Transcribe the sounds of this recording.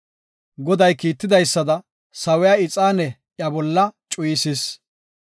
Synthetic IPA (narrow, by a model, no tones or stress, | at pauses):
ɡɔd̪ɐjkiːt̪ːɪd̪ɐjsːɐd̪ɐ | sɐwɛjaːɪt͡sʼaːnɛ | ʔjɐbɔlːɐt͡ʃʼʊjɪsɪs